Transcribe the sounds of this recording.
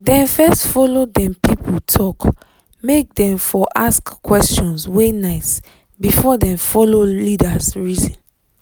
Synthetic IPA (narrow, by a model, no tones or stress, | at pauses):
dɛ̃nfɛstfɔlodɛ̃mpipʰutʰɔk | mek̚dɛ̃mfɔʔaskkːwɛst͡ʃɔ̃nswenaɪs | bifɔdɛ̃mfɔlolidasɹizɔ̃n